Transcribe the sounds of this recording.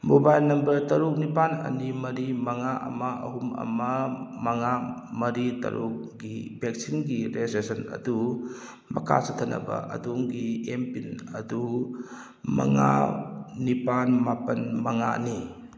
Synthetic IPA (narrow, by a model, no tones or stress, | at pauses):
mobajlnɐmbəɾtɐɾuk̚nipanɐ̰nimɐɾimɐŋaʔɐ̰maʔɐɦumɐ̰mamɐŋamɐɾitɐ̰ɾuk̚ɡibek̚siŋɡiɾesesɐnɐ̰du | mɐkʰa̰sʰat̪ʰɐnɐ̰ba̰ʔɐ̰duŋɡiempinɐdu | mɐ̰ŋa̰ | nipanmapɐnmɐŋa̰ni